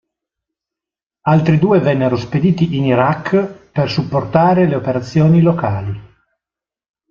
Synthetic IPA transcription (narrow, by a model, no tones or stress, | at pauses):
alt̪ɾid̪uːevɛnːeɾosped̪iːt̪iʔiniɾakːpersupːort̪aːɾeleopeɾat̪sːjoːnilokaːli